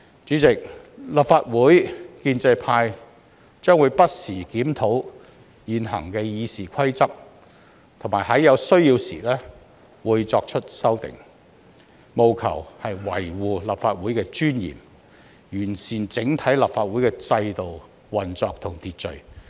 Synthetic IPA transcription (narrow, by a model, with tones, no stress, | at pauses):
t͡ʃyː˨˥t͡sɪ˨k̚ | la˨p̚faː˧t̚wuː˨˥jkiː˧nt͡sɐ˧jpʰaː˧j | t͡ʃœː˥ŋwu˨˧jpɐ˥t̚siː˨˩kiː˨˥mt̪ʰo˨˥w | jiː˨˩nɦɐ̰˨˩ŋkɛː˧jiː˨˧siː˨˩kʷʰɐ˥jt͡sɐ˥p̚ | t̪ʰʊ˨˩ŋmaː˨˩jɦɐ˨˥jɐ˨˧wsɵ˥ɥjiː˧wsḭ˨˩lɛː˥ | wuː˨˧jt͡sɔː˧k̚t͡ʃʰɵ˥t̚sɐ˥wt̪ɪ̰˨ŋ | mo˨wkʰɐ̰˨˩whɐ˨jwɐ̰˨˩jwuː˨lɐ˨pfaː˧t̚wuː˨˥jkɛː˧t͡ʃyː˥njḭː˨˩m | jyː˨˩nsiː˨nt͡sɪ˨˥ŋt̪ʰɐ˨˥jlɐ˨˩p̚faː˧t̚wuː˨˥jkɛː˧t͡sɐ˧jt̪o˨w | wɐ˨˩nt͡sɔː˨˧k̚t̪ʰʊ˨˩ŋt̪iː˨t̚t͡ʃɵ̰˨˩ɥ